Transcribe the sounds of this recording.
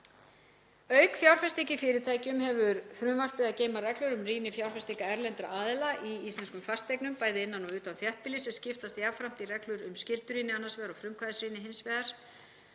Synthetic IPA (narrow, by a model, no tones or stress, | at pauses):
œːɥkfjawɾ̥fɛst̪icɪfɪɾɪt̪ʰaːjcʏmhɛvʏɾfɾʏmvar̥pɪðaceːjmarɛklʏɾʏmriːnɪfjawr̥fɛst̪ikaɛɾlɛnt̪ɾa̰ʔaːðɪlaʔiist̪lɛnskʏmfast̪ʰːejknʏmpaːjðɪɪnːanɔʏːt̪anθjɛht̪̚pɪlisɛscɪft̪ast̪javfɾam̥t̪irɛklʏɾʏmscɪlt̪ʏɾiːnɪanːasvɛːðaɾɔfɾʏmkʰvaðɪsɾiːnɪɦɪnsvɛːðaɾ̥